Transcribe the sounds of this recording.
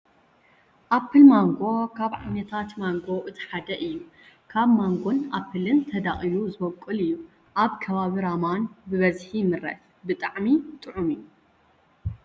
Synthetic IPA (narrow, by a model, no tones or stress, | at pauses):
ʔapʰːɨlmaŋɡo̞kʰaβʕa̰nɐt̪ʰat̪maŋɡo̞ʔɨt̪ʰi̥ħad̪ɐʔɨjːu | kʰaβmaŋɡonʔapʰːɨlɨnt̪ʰɐd̪aχʼijuzɨbɐkʼːɨlɨjːu | ʔaβkʰɐβaβiɾamanbɨβɐzħimɨɾɐ̰t̪ | bɨt̪ʼaʕmit̪ʼɨʕumɨjːu